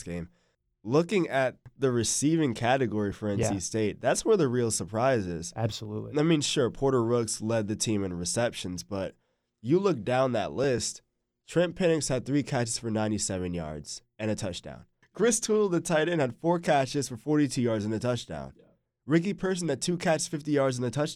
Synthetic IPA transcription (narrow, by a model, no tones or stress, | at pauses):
sɡ̥ẽɪ̃m | lʊkɪ̃ŋɨt̪̚ðɨɹɨsivɪ̃ŋkʰæɾɨɡɔɹifə˞ɛ̃nsisteɪt̪̚ðætswə˞ðɨɹilˠsə˞pʰɹ̥aɪzɪ̰z̥æb̥səlṵtˡaɪmĩnʃʊɹpʰɔɹɾə˞ɹʊkslɛd̪̚ðɨtʰĩmɨ̃nɹɨsɛpʃɨ̃nzb̥ʌt͡ʃ | ɨlʊk̚d̥ãʊ̃nðɨ̰tˡlɪst | tʰɹ̥ɪ̃mpʰɪnɪkshɨd̪̚θɹikʰæt͡ʃɨz̥fə˞nãɪ̃ñtisɛvɨ̃njɑ̰ɹdz̥ | ɨ̃nɨtʰʌt͡ʃd̥ã̰ʊ̃n | kʰɹ̥ɪstʰul̩ˠðɨtʰaɪɾɨ̃nɨd̥fɔɹkʰæt͡ʃɨz̥fə˞fɔɹɾitʰʉjɑɹdzɨ̃nɨtʰʌt͡ʃd̥ã̰ʊ̃n | ɹɪk̬ipʰɜ˞s̬n̩ɨt̚tʰʉkʰæt͡ʃsfɪftijɑɹdzɨ̃nɨtʰʌt͡ʃ